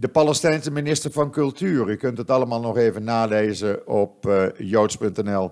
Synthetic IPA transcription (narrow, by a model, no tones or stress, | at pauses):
dəpaləstɛjnsəminɪstəɹvɑnkɵlˠtyːrykɵntətɑləmaːlˠnɔxeːvənːaːleːzəɔpjowtspɵntɛnɛlˠ